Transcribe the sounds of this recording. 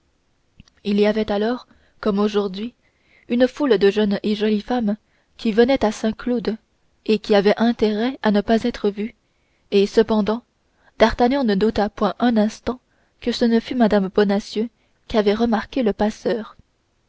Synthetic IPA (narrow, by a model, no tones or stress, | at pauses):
iliavɛt̪alɔːʁ | kɔmoʒuʁd̪ɥi | ynəfuld̪əʒœneʒɔlifam | kʲivənɛt̪asɛ̃klod̪ | ekʲiavɛʔɛ̃t̪eʁɛanəpazɛt̪χəvy | esəpɑ̃d̪ɑ̃ | d̪̥aʁt̪aɲjɑ̃nəd̪ut̪apwɛ̃ʔɛ̃nɛ̃st̪ɑ̃ | kəsənəfymad̪ambɔnasjø | kʲavɛʁəmaʁkʲeləpasœːʁ